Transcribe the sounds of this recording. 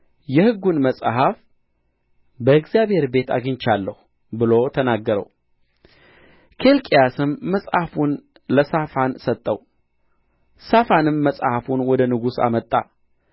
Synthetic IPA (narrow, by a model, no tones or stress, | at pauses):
jɛhɨɡːunməsʼɦaf | bəɨɡzjaβhe̞ɾbe̞t̪ʰa̰ɡɨɲt͡ʃalːəhu | bɨlo̞t̪ʰənaɡːəɾə̰w | kʰe̞lkʼijasɨmːəsʼhafun | ləsafansət̪ʼːəw | safanɨmːəsʼhafunwɔd̪ənɨɡusa̰mət̪ʼːa̰